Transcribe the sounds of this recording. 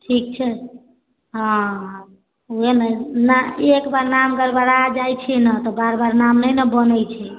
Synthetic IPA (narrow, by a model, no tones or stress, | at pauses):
ʈʰik̚t͡ʃʰɛ | ɦã | uenənaekbaɾnamɡəɾbaɾad͡ʒajt͡ʃʰɛnət̪ɔbaɾbaɾnamnəjnəbənəjt͡ʃʰɛ